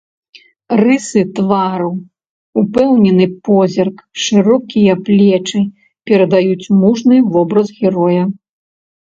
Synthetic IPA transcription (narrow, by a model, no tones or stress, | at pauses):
rɨsɨt̪vaɾɐw | upɛwnʲɛnɨpɔzʲɐrkʂɨɾɔkʲijɐplʲɛt͡ʂɨ | pʲɛɾɐd̪ajut͡sʲmuʐnɨvɔbɾɐzɣʲɛɾɔjɐ